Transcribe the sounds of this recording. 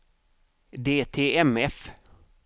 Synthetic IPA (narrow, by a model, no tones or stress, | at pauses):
d̪eːt̪ʰeːɛmɛf